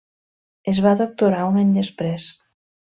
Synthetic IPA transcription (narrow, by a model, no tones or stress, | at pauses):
ezβaðok̚t̪uɾaunaɲd̪espɾes